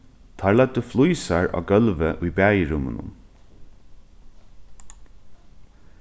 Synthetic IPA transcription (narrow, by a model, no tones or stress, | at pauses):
t̪ʰɑːɹɭɛd̪əflujsaɹɑ̰ːɡœlʋəʔʊjbæːjəɹʊmə̰nʊ̰n